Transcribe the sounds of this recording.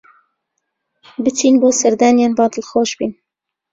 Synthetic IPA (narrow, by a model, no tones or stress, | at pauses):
bɨt͡ʃʰiːnboːsɛɾd̪æːnjeːnbɑːd̪ɨlxoːʃbiːn